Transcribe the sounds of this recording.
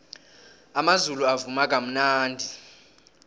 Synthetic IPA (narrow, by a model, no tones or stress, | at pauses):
amazuluavumak̬ʼam̩naːndʱi